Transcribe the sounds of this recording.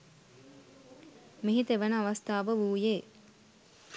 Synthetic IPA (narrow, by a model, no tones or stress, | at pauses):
miɦit̪eʋənəaʋast̪ʰaːʋəʋuːjeː